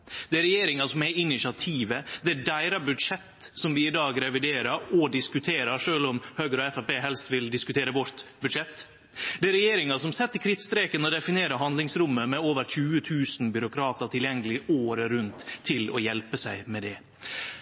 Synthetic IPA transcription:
d̪̥ɛæɾɛjeːɾɪŋɑsɔmæɪnːɪʃɑt̪ʰiːʋəd̪ɛæɖæɪɾɑbʉd̪ʂɛt̪ːsɔmʋɪɪd̪ɑːɡɾɛʋɪd̪eːɾəɾɔd̪ɪskʉt̪ʰeːɾəɾʂøːlɔmhøːɡəɾɔɛfæpeːɦɛlst̪ʋɪld̪ɪskʉt̪ʰeːɾəʋɔɾt̪bʉd̪ʂɛt̪ː | d̪ɛæɾɛjeːɾɪŋɑsɔmsɛt̪ːəkʰɾɪt̪st̪ɾeːkənɔd̪ɛfɪneːɾəhɑnd̪lɪŋsɾʊmːəmɛoːʋəɾçʉːət̪ʰʉːsn̩bʏɾʊkʰɾɑːt̪əɾʈ̪ʰɪljɛŋːəlɪoːɾəɾʉnt̪ʰːɪlɔ̰jɛlpəsæɪmɛd̪ɛ

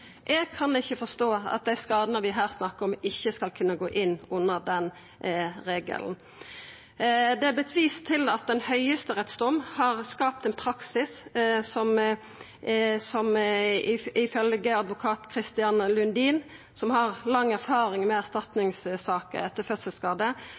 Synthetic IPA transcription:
ʔɛɡ̚kʰɑnɪçːəfɔst̪oːɑ̰t̪̚d̪æɪskɑːd̪ənəʋɪɦæːʁsnɑkːəɾɔmɪçːəskɑlkʰʉnːəɡoːʔɪnːʊnːəd̪ɛn | ʁeːɡə̰ln̩ | d̪ɛæbət̪ʰʋiːst̪ʰːɪlɑt̪̚d̪ɛnhœʏəst̪əɾɛt̪sd̪ɔmhɑʁskɑːp̚t̪ɛnpʰɾɑksɪssɔm | sɔmɪɪfœlɡəɑd̪ʋʊkʰɑːt̪kʰɾɪst̪ɪɑnəlʉnd̪iːn | sɔmhɑʁlɑŋːæɾfɑːɾɪŋmɛæʁst̪ɑt̪nɪŋssɑːkə̰ɛt̪ːəfœsəskɑːd̪ə

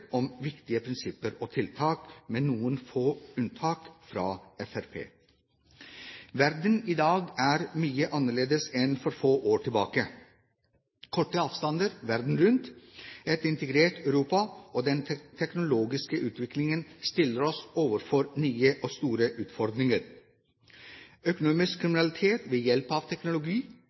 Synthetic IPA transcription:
ɔmʋɪkt̪ɪəpʰɾɪnsɪpːəɾoːt̪ʰɪlt̪ʰɑːkmeːnuːənfoːʉnt̪ʰɑːkfɾɑːɛfæɾpʰḛː | ʋæɾd̪əniːd̪ɑːɡæːɾmyːəʔɑnəɭeːd̪əsɛnfɔɾfoːʔoːʈʰɪlbɑːkə | kʰɔʈːəɑːʋst̪ɑnd̪əɾʋæɾd̪n̩ɾʉnt̪ɛt̪ɪnt̪əɡɾeːʈœʉɾuːpɑoːd̪ɛnt̪ʰɛknʊloːɡɪskəʔʉːt̪ʰʋɪklɪŋənst̪ɪlːəɾɔsoːʋəɾfɔɾnyːəʔoːst̪uːɾəʔʉːt̪fɔɾd̪ɾɪŋəɾ | œkʊnuːmɪskʰːɾɪmɪnɑlɪt̪ʰeːt̪ʋeːjɛlpɑːʋt̪ʰɛknʊlʊɡiː

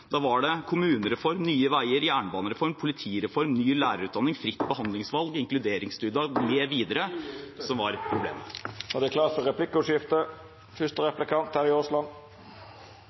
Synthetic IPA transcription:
d̪̥ɑʋɑɖɛkʰʊmʉːnəɾɛfɔɾmnyːəʋæɪəɾjæːɳəbɑːnəɾɛfɔɾmpʰʊlɪt̪ʰiːɾɛfɔɾmnyːlæːɾəɾʉːt̪d̪ɑnːɪŋfɾɪt̪ːbəhɑnd̪lɪŋsʋɑlɡɪŋklʉd̪eːɾɪŋst̪ʉːd̪ɑmeːʋiːd̪əɾəsɔmʋɑɾpʰɾʊblḛːməɑd̪ɛkʰlɑːt̪fɔɾʁɛpʰlɪkːəʉʂjɪft̪ə | fʏst̪əɾɛplɪkʰɑnt̪hæːɾɪoːslɑn

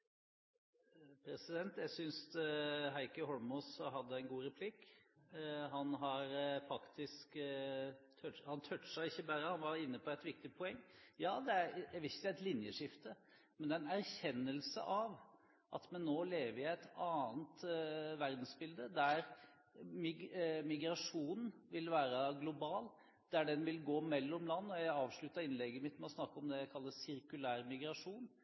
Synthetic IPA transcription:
pʰɾɛsɪd̪ɛnt̪jæɪsʏns | ɦæɪkəɦɔlmɔsɦɑd̪ːəæɪnɡuːɾɛpʰlɪk | ɦɑnɦɑɾfɑkt̪ʰɪsk | t̪ʰœhɑnt̪ʰœʈ̪ːsæɪçːəbæːɾəhɑnʋɑɾɪnːəpʰɔɛt̪ʋɪk̚t̪ɪpʰɔɛŋːjɑːd̪ɛæɾjæɪʋɛɪçəd̪ɛæɛt̪lɪnjəʂɪft̪ə | mɛnd̪ɛæɛnæɾçɛnːəlsə̰ʔɑʋ | ʔɑ̰t̪mɛnːoːleːʋəɾɪæɪt̪ɑːnt̪ʋæɾd̪n̩sbɪld̪əd̪æɾ | mɪmɪɡɾɑʂuːnn̩ʋɪlʋæːɾəɡlʊbɑːl | d̪̥æɖɛnʋɪlɡoːmɛlːɔmlɑnːɔjæɪɑːʋʂɭʉt̪ɑɾɪnlɛɡːəmɪt̪ːmɛɔsnɑkːəɔmd̪ɛjæɪkʰɑlːəsɪɾkʉlæːɾmɪɡɾɑʂuːn

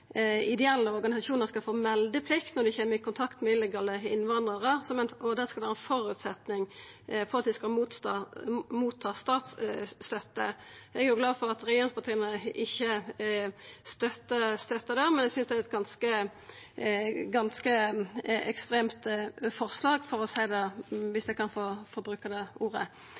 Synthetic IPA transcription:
ɪd̪ɛɛlːəɔʁɡɑnɪsɑʃuːnəʁskɑlfoːmɛld̪əpʰlɪkt̪nɔʁd̪ɪçeːməɾɪkʰʊnt̪ʰɑkt̪mɛɪlːəɡɑːləɪnːʋɑnd̪ʁəʁəsɔmɛnɔd̪ɛskɑlʋæːʁəɛnfɔɾʉt̪sɛt̪nɪŋ | fɔʁɑt̪̚d̪ɪskɑlmuːt̪ː | muːt̪ʰːɑːst̪ɑːt̪sːt̪œt̪ːə̰ɛɡʊɡlɑːfɔʁɑt̪ɾɛjeːɾɪŋspʰɑt̪ʰiːənəʔɪçːə | st̪œt̪ːəst̪œt̪ːəd̪æʁmɛnɛɡsʏnsd̪ɛæɛt̪ɡɑnskə | ɡɑnskə | ɛkst̪ʁeːmt̪fɔʁslɑːɡfɔʁɔsæɪd̪ɛʋɪsd̪ɛkʰɑnfoːfɔbɾʉːkɑd̪ɛuːʁə̰

